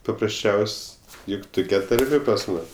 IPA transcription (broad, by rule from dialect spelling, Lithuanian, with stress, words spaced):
pɐprɐsʲˈt͡ʃʲɛʊsʲ ˈjʊk ˈtʊkʲɛ tɐrʲˈmʲeː pɐs ˈmʊs